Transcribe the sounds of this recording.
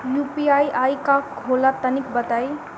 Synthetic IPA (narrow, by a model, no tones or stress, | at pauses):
jupiajʔajkakɦolat̪ənikbət̪aj